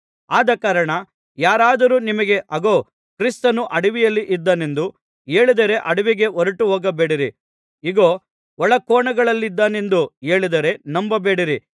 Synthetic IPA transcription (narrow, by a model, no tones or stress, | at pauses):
aːd̪ɐkaːɾɐɳɐ | jaːɾaːd̪ɐɾuːnimɐɡe̞ʔɐɡo̞ː | kɾist̪ɐnuʔɐɽiʋijɐlːiʔid̪ːɐne̞nd̪u | e̞ːɭid̪ɐɾe̞ʔɐɽiʋiɡe̞oɾɐʈuɦoːɡɐbeːɽiɾi | iɡoː | ɔɭɐkɔːɳɐɡɐɭɐlːid̪ːaːne̞nd̪ue̞ːɭid̪ɐɾe̞nɐmbɐbeːɽiɾi